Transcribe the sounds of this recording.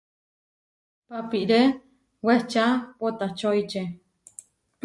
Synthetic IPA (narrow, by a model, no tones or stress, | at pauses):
papiʔɾe | wet͡ʃapot̪at͡ʃoit͡ʃe